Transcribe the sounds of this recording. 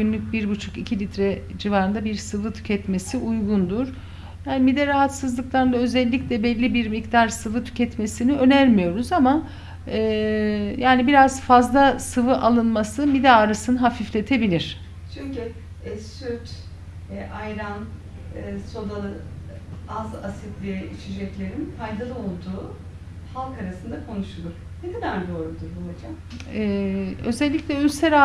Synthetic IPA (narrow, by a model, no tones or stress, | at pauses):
ɟynlʲyc̚ʲbiɾbut͡ʃʰu̥kicʰilʲit̪ɾɛd͡ʒivaːɾɯnd̪abiɾsɯvɯt̪ʰy̥cʰɛt̪me̞siujɡund̪uɾ̥ | jaːnimid̪ɛɾaɦat̪sɯzlˠɯklˠaɾɯnd̪aø̞zɛlʲːiclʲɛbɛlʲːibiɾmikd̪aɾsɯvɯt̪ʰy̥cʰɛt̪me̞siniø̞næɾmijo̞ɾuzama | ɛːjaːnibiɾazfazlˠasɯvɯʔalˠɯnmasɯmid̪aːɾasɯnɯɦafiflʲe̞t̪ʰebilʲiɾ̝̥ | t͡ʃʰyɲcy | ɛsyɾt̪ | ʔajɾan | so̞d̪alˠɯ | azasit̪lʲijɛit͡ʃʰid͡ʒɛclʲe̞ɾinfajd̪alˠɯo̞lˠd̪uː | halˠkaɾasɯnd̪akʰo̞nuʃulˠuɾ | ned̪inaɾd̪o̞ːɾud̪uɾbulˠad͡ʒam | ɛø̞zɛlʲːicʲlʲɛylʲseɾa